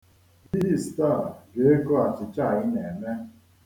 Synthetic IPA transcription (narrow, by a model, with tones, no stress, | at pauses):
bi˦i˦˨sta˦˨ɡe˦e˦ko˦a˨t͡ʃɪ˨t͡ʃa˦˨ɣɪ˦ne˨me˦